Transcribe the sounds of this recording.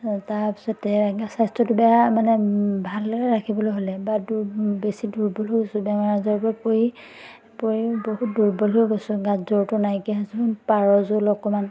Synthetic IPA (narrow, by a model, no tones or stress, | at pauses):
taɹpsɔtɛɡasajstɹɔtʊbɛjamanɛbʱalɔɹakʰibɔlojɦolɛbadubesiduɹbɔluɡosʊbɛŋaɹazɔɹpɔapoɹi | poɹiboɦut̚duɹbɔlɔɡosʊɡãzɔɹtʊnajkiɦasupaɹɔzolɔkɔman